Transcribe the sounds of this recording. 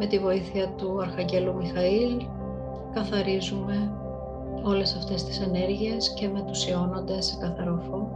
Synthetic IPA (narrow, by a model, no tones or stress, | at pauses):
me̞t̪ivo̞iθiɐt̪uɐɾxɐɲɟe̞lumixɐil | kɐθɐɾizume̞ | o̞le̞sɐft̪e̞st̪i̥se̞ne̞ɾʝie̞sce̞me̞nt̪usio̞no̞nd̪e̞sekɐθɐɾo̞fo